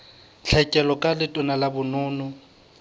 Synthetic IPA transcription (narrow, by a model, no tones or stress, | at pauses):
t͡ɬʰɛkʼɛlɔkʼalɪtʼɔnalabʊnʊːnʊ